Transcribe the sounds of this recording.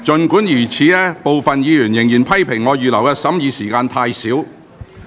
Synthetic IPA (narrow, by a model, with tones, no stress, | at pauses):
t͡ʃɵ˨nkuː˨˥njiː˨˩t͡sʰiː˨˧ɛː˥po˨wfɐ˨njiː˨˧jyː˨˩njɪ˨˩ŋjiː˨˩npʰɐ˥jpʰɪ˨˩ŋŋɔː˨˧jyː˨lɐ˨˩wkɛː˧sɐ˨˥mjiː˨˧siː˨˩kaː˧nt̪ʰaː˧jsiː˨˥w